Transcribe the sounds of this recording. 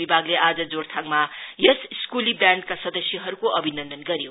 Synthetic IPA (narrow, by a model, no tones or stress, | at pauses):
bibʱaɡleʔad͡zʌd͡zoɽt̪ʰaɡmajʌsskulibɾaɳɖkasʌd̪ʌsjʌɦʌɾukoʔʌbʱinʌnd̪ʱʌnɡʌɾjo